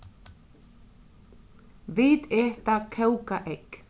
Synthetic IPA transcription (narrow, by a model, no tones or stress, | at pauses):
viːt̪ɛht̪akʰɛwkaʔek